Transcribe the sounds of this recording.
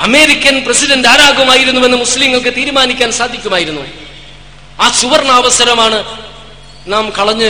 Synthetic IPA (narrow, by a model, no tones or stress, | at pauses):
ɐme̞ːɾikʲːɐnprɐsidɐndaːɾaːɡɐmaːjiɾunːuʋe̞nːɨmuslimŋːɐɭkɨt̪iːɾmaːnikʲːaːnsaːd̪ʱːikʲːumaːjiɾunːu | aːsuʋɐrɳaːʋɐsɐɾɐmaːɳɨ | naːmkɐɭɐɲːɨ